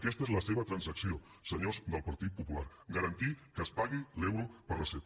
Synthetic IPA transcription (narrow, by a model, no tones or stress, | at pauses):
kɛst̪əezləseβət̪ɾənsəksio | səɲozd̪əlˠpəɾt̪it̪̚pupula̰ɾ | ɡəɾənt̪ikəspaɣilɛwɾəpəɾləse